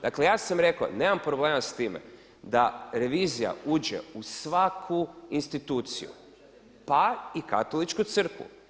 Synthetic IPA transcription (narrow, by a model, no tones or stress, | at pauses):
d̪akle̞jaːsamɾe̞ko̰ne̞ːmampɾobleːmast̪iːmḛ | d̪aɾe̞ʋiːzija̰uːd͡ʑḛusʋakʰuinst̪it̪uːt̪sḭjṵ | paika̰t̪o̞lit͡ʃkut̪sr̩kʋṵ